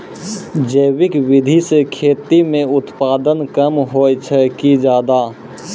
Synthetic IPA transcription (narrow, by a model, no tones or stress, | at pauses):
d͡ʒəɪwɪkʋɪd̪ʱisekʰeːt̪imẽʊt̪paːd̪ənkəmɦoːjt͡ʃʰɛkid͡ʒaːd̪aː